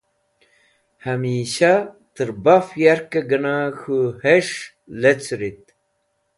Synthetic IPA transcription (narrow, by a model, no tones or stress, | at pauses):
hamiːɕa | t̪əɾbafjaɾkɐɡɐnaːxuheʂ | let͡sɾit̪̚